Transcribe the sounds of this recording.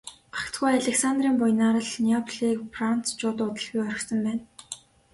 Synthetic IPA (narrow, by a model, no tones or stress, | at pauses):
ḁkt̪ɡujaɮʲeksant̪riːmpʊjnaːɾə̆ɮniapʰɮikpran̥t͡st͡ɕʊːt̪ʊːt̪ə̆ɮɣujœrʲɪ̆ksə̆mpæːn